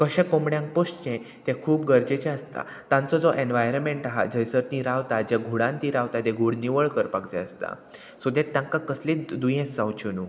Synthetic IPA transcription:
kəɕẽkomɽjãŋk̚post͡ɕẽ | t̪ɛ̃kʰuːpɡəɾd͡ʑet͡ɕɛəst̪a̰ | t̪ãnt͡sɔd͡zɔʔenʋajɾəmeɳʈaɦa̰d͡zəjsəɾt̪ĩɾaʋt̪ad͡ʑaɡʱuɽãnt̪ĩɾaʋt̪at̪eɡʱuɽniʋəɭkəɾpakd͡zɛ̰̃əst̪a̰ | sud̪et̪t̪ːãŋkakəsled̪ujẽsːãwt͡ɕunuː

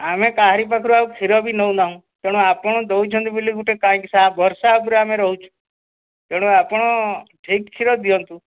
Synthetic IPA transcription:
amẽkaɦɾipakʰɾuaukʰiɾɔbʱinɔunaɦũ | t̪eɽ̃ũapɔɳ̃ɔd̪ɔut͡ʃʰɔ̃nt̪ubiliɡuʈekãːkisabʱɔɾsapuɾeamẽɾɔɦut͡ʃʰu̥ | t̪eɽ̃ũapɔɽ̃ɔʈʰikkʰːiɾɔd̪iɔnt̪ũ

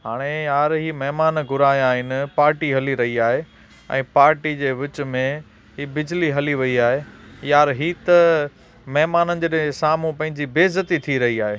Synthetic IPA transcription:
ɦaːɽ̃ejaːɾɦiːmɐɦmaːnɡʱʊɾaːjaːɦɪnɪ̆paːɾʈiɦɐliɾɐɦiaːɦe | ɛ̰̃ːpaːɾʈid͡ʑeːʋɪt͡ɕmẽ | ɦiːbɪd͡ʑliɦɐliʋɐiaːɦejaːɾɦiːt̪ɐ | mɐɦɪmaːnənɪ̆d͡ʑeɗẽsaːm̤ũpɐ̃ɦɪ̃ɲd͡ʑibeːzət̪it̪ʰiɾɐɦiaːɦeː

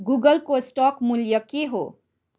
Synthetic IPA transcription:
ɡuɡʌlkosʈɔkmuljʌkeɦo̰

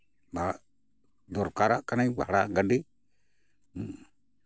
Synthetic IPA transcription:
ba | d̪ɔɾkaɾakanajba̰ɽaɡaɖi

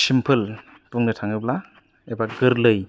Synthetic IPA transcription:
simpʰɯl | puŋnɯtʰaŋɯbla | ebaɡɯɾlɯj

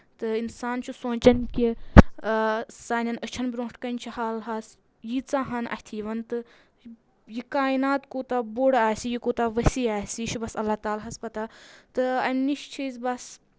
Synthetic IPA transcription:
t̪ɨinsaːnt͡ʃʰusõːnt͡ʃɐnkʲi | saːnʲɐnət͡ʃʰɐnbʲɾõːʈkɐnʲt͡ʃʰihaːlɦas | jit͡saːɦɐnʔɐ̰hʲt̪ʰiːʋɐnt̪ɨ | jikaːinaːt̪koːt̪aboɽaːsijikoːt̪aʋəsiːaːsit͡ʃʰibɐsɐlːat̪aːlɦɐspɐt̪at̪ɨɐmniʃt͡ʃʰizʲbɐs

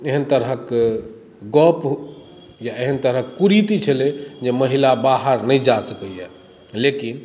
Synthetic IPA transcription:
eɦənt̪əɾɦək | ɡɔp | jaeɦənt̪əɾɦəkːuɾit̪it͡ʃʰəled͡ʒeməɦilabaɦəɾnəjd͡ʒasəkəje | lekin

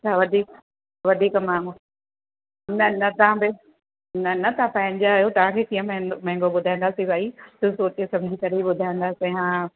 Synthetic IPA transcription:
t͡ɕʰaʋɐd̪ʱiːk | ʋɐd̪ʱiːkmãːŋɡo | nɐnɐt̪ɐãbɪ | nɐnɐt̪ɐãpɐ̃ɦɪ̃ɲd͡ʑajot̪ɐʋ̤ãkʰeːkijə̃m̃mɐ̃ɦɪ̃ŋɡoɓʊd̪ʱaːĩnd̪aːsibʱaːit̪ũsoːt͡ɕesɐ̃md͡ʑʱikɐɾeiɓʊd̪ʱaĩnd̪aːsiɦãː

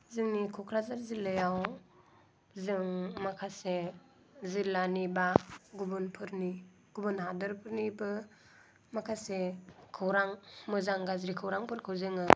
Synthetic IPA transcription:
zɯŋnikʰɔkʰɾazaɾzilːɯjaw | zɯŋmakʰase | zilːanibaɡubɯnpʰɯɾni | ɡ̥ubɯnɦadɯɾpʰɯɾnibɯ | makʰasekʰɯwɾaŋmɯzaŋɡazɾikʰɯwɾaŋpʰɯɾkʰɯwzɯŋɯ

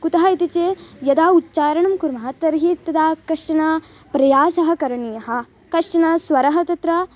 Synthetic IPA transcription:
kut̪ɐɦɐit̪it͡ʃeːjɐd̪aːutːt͡ʃaːɾɐɳɐmkuɾmɐɦɐt̪ɐɾɦiːt̪ːɐd̪aːkɐʂʈɐnaː | pɾɐjaːsɐɦɐ̆kɐɾɐɳijɐɦɐ̆ | kɐʂʈɐnasʋɐɾɐɦɐt̪ɐt̪ɾɐ

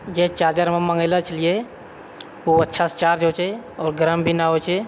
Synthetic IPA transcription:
d͡ʒeːt͡ʃaːɾd͡ʒəɾmãmə̃ŋɡələt͡ʃəlije | uətːʃʰast͡ʃaːɾd͡ʒɦoːt͡ʃʰeɔːɾɡəɾəmbʱinaɦot͡ʃʰe

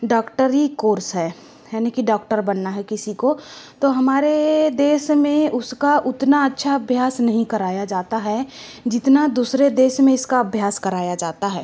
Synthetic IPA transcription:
ɖɔːkʈəɾikoːɾsɦɛː | jɛːnikiɖɔːk̚ʈəɾbɐnːaɦɛkɪsikot̪oɦɐmaːɾed̪eːʃmẽʊskaʔʊt̪naɐtːʃʰaɐbʱjaːsnɐɦĩkɐɾaːjad͡ʒaːt̪aɦɛ | d͡ʒɪt̪nad̪uːsɾed̪eːʃmẽɪskaɐbʱjaːskɐɾaːjad͡ʒaːt̪aɦɛː

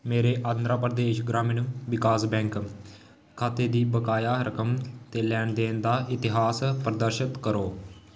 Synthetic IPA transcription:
meːɾeːʔãːnd̪ɾaːpɾəd̪eːʃɡɾaːmɪnʋɪkaːsbɛ̃ːŋk | kʰaːt̪eːd̪iːbəkaːjaːɾəkəmt̪eːlɛːɳd̪eːnd̪aːʔɪt̪ɪɦaːspəɾəd̪əɾʃət̪kəɾoː

